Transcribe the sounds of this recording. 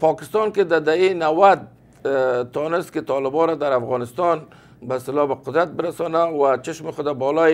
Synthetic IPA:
pɔkɪ̥st̪ɔnkɪd̪ad̪ainawad̪̚ | t̪ːɔnɪst̪kɪt̪ɔlɪbɔɾad̪aɾafɣɔnɪst̪ɔn | baɪst̪ɪlɔbaqʊd̪ɾat̪̚bɪɾasɔnawat͡ʃɪʃmɪxʊd̪abɔlɔ

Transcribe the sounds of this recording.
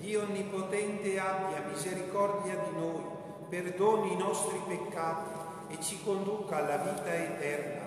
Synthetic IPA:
d̪ioonːipot̪ɛnt̪eabjamizeɾikɔrd̪jad̪inoːj | perd̪oːninɔst̪ɾipekːaːt̪i | et͡ʃːikond̪ukaaːlːaviːt̪aet̪ɛrna̰

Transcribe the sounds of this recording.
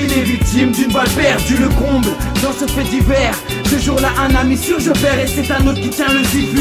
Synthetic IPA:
ilɛvik̚t̪imd̪ynvalpɛʁd̪yləkɔ̃bld̪ɑ̃səfɛd̪ivɛʁ | səʒuʁlaʔɛ̃namisɔ̃ʒəpɛʁesɛt̪ɛ̃not̪kit̪jɛ̃lɛ̃d̪ivy

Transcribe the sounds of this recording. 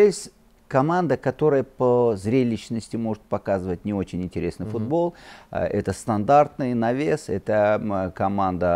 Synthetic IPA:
jesʲtʲ | kɐmand̪əkɐt̪o̞ɾəjəpəzɾʲelʲɪɕnəsʲtʲɪmo̞ʐɨt̪̚pɐkazɨvətʲnʲɪo̞t͡ɕɪnʲɪnʲtʲɪɾʲe̞snɨjfʊd̪bo̞lˠʔɛ̰t̪əst̪ɐnd̪art̪nɨjnɐvʲesɛt̪əkɐmand̪ə

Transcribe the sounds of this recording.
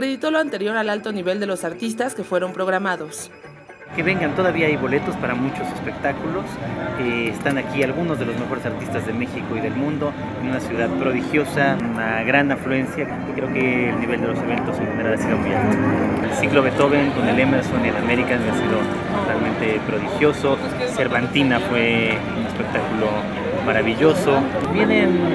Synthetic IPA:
akɾe̞ðit̪o̞loant̪e̞ɾjo̞ɾalalt̪o̞niβe̞ld̪e̞lo̞saɾt̪is̬t̪aske̞fwe̞ɾo̞mpɾo̞ɣ̞ɾamaðo̞s | ke̞βe̞ŋɡant̪oðaβiaajβo̞le̞t̪o̞spaɾamut͡ʃo̞se̞spe̞k̚t̪akulo̞seːst̪anakialɣunozðelo̞zme̞xo̞ɾe̞saɾt̪ist̪azðe̞me̞xiko̞iðe̞lmũnd̪o̞ | enunasjuðaðpɾo̞ðixjo̞sanunaɣɾanaflue̞nsjak | ekɾe̞oke̞ːlniβe̞ld̪e̞lo̞se̞βe̞nt̪o̞seŋxeneɾalasiðomujalt̪iooelsiklo̞βe̞t̪o̞βeŋko̞ne̞lemeɾso̞niðeame̞ɾikaeasiðo̞ | t̪ot̪almẽ̞nt̪e̞pɾo̞ðixjo̞so̞ | se̞ɾβant̪inafwe̞ | une̞spe̞k̚t̪akulo̞ | maɾaβ̞iʝo̞so̞bje̞nen

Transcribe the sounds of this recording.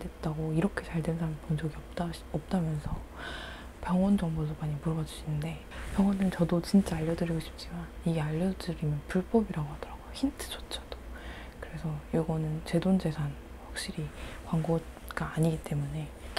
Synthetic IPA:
dwe̞t̚t͈aɡoiɾʌkʰe̞t͡ɕaɭdensʰamɯnpond͡ʑʌɡiʌp̚t͈aʌp̚t͈amjʌnsʰʌ | pjʌŋwʌnd͡ʑʌŋbodomaɲimuɾʌɡad͡ʑuɕʰinɯnde̞ | pjʌŋwʌnɯnt͡ɕʌdot͡ɕint͡ɕ͈aaʎːʌdɯɾiɡoɕʰi̥p̚t͡ɕ͈imaniɡeaʎːʌdɯɾimjʌnpuɭp͈ʌbiɾaɡoɦad̥ʌɾaɡ̥ojoçintʰɯ̥t͡ɕ͈ʰot͡ɕʰḁd̥o̥ | kɯɾe̞sʰʌjiɡʌnɯnt͡ɕe̞dond͡ʑe̞sʰan | ɸwak̚ɕ͈iɾikwaŋɡo | ɡ̥͈aːɲiɡit͈e̞mune̞

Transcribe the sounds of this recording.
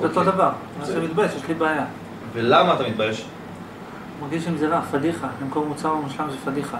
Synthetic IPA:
beot̪o̞d̪avaʁ | semit̪bajeʃjeʃlibaːja | velamaːt̪amit̪̚bajeʃ | maʁɡiʃimzeʁafad̪iχaimkoʁmut͡saʁbemuʃlamʃefad̪iχa

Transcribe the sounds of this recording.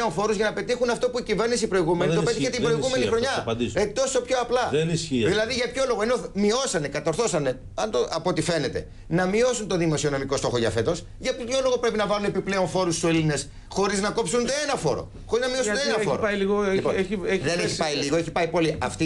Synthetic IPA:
o̞nfo̞ɾuzʝɐnɐpe̞t̪ixunɐft̪o̞puicive̞ɾnisipɾo̞iɣume̞nit̪op̪iiçet̪imbɾoiɣume̞nixɾo̞ɲɐpɐd̪iset̪o̞so̞pçoɐplɐðenisçiðilɐðiʝɐpço̞lo̞ɣoenomio̞sɐne̞kɐt̪oɾθo̞sɐne̞ | ɐnt̪oʔɐpoot̪ife̞ne̞t̪e̞̰ | nɐmio̞sunt̪o̞ðimo̞sio̞no̞miko̞sto̞xoʝɐfe̞t̪o̞s | ʝɐpço̞lo̞ɣopɾe̞pinɐvɐlune̞piple̞o̞nfo̞ɾussoiline̞s | xo̞ɾiznɐko̞psunenɐfo̞̰ɾo̰ | xo̞ɾiznɐmio̞sueenɐfoɾoɐjliɣoeieðeneçipɐiliɣoeçipɐipo̞liɐft̪i

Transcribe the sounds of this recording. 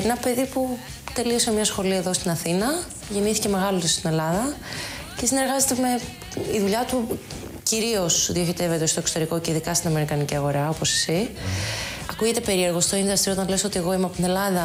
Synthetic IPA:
enɐpe̞ðipu | t̪e̞lio̞semɲɐsxo̞liɐeðo̞st̪inɐθinɐ | ʝe̞niθice̞me̞ɣɐlot̪ist̪ine̞lɐðɐ | ce̞sineɾɣɐze̞t̪eme̞ | iðuʎɐt̪u | ciɾio̞sðioçit̪e̞vet̪est̪oekso̞t̪e̞ɾiko̞ceiðikɐst̪inɐme̞ɾikɐniciɐɣo̞ɾɐo̞posi̥si | ɐkuʝit̪epe̞ɾie̞ɾɣost̪o̞inðɐst̪io̞t̪ɐnleso̞t̪ie̞ɣo̞imeɐpot̪ne̞lɐðɐ

